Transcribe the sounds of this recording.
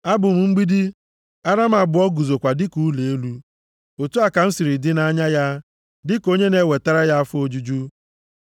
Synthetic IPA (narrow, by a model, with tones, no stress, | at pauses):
a˦bʊ˨m̩˨ŋ͡m̩˦ɡ͡bi˦di˦ | a˦ɾa˦m̩˦a˨bʊ˨˦ɔ˦ɡu˨zo˨kʷa˨dɪ˦ku˨˦le˨e˦lu˦ | o˨tu˦a˨ka˨n̩˦si˨ɾi˨dɪ˦na˦ɲa˦ja˦ | dɪ˦ko˦ɲe˦ne˨we˨ta˦ɾa˦ja˦a˦fo˦d͡ʒu˦d͡ʒu˦